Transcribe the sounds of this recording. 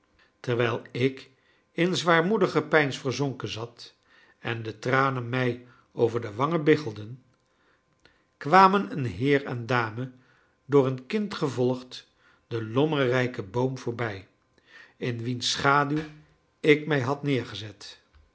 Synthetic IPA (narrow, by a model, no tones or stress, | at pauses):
təɹʋɛjlˠɪk | ɪnzʋaːɹmudəχəpɛjnsfəɹzoŋkənzɑt | ɛndətraːnənmɛj | owvəɹdəʋɑŋəbɪχəlˠdən | kʋaːmənənɦɪːrɛ̰ndaːmə | dʊːrənkɪntχəvɔlˠχt | dəlɔmərɛjkəbowmv̥ʊːɹbɛj | ɪnʋinsχaːdyw | ɪkmɛjɦɑtnɪːɹχəzɛt